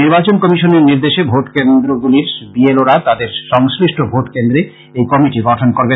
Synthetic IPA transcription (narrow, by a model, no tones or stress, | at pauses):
iɾbat͡ɕonkɔmiʃoneɾniɾd̪eʃebʱoʈkend̪ɾoɡuliɾbieloɾat̪ad̪eɾʃɔŋsɾiʃʈʰobʱoʈkend̪ɾe | ejkɔmiʈiɡɔʈʰonkoɾbe